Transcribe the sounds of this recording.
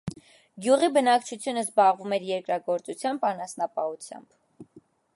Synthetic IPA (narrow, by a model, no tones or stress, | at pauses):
ɡjuʁibənɑkt͡ʃʰut͡sʰjunəzbɑʁvumɛɾjɛɾkɾɑɡɔɾt͡sut͡sʰjɑmbɑnɑsnɑpɑhut͡sʰjɑ̰mb̥